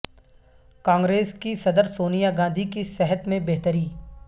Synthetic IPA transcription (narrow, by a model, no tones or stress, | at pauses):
kãːŋɡɾeːskisɐd̪əɾsoːnijaɡãːnd̪ʱikisɛɦət̪mẽbeɦt̪əɾiː